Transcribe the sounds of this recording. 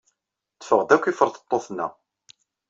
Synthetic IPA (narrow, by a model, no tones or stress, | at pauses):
t͡sːə̥fəʁd̪ækʷːifəɾˤθə̥t̪ˤːoθnːæ̰